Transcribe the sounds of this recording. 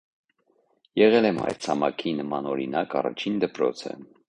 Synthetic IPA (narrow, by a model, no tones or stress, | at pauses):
jɛʁɛlɛmɑ̰jɾt͡sʰɑmɑkʰinəmɑnɔɾḭnɑkɑrɑ̰t͡ʃʰind̪əpɾɔ̰t͡sʰə̰